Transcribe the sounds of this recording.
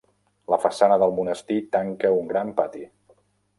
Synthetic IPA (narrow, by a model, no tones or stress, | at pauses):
ləfəsanəðəlˠmunəst̪it̪aŋkəuŋɡɾampat̪i